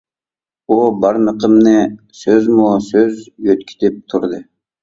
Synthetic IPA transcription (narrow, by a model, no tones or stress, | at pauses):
obɑɾnɯqɯmnɯ | søzmosøzjøt̪kʰi̥t̪ep̚t̪ʰuɾd̪ɯ